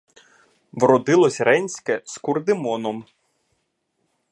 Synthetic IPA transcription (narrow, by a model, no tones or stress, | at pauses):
ʋɾɔd̪ɪlˠɔsʲɾɛnʲsʲkɛskʊrd̪ɪmɔnɔm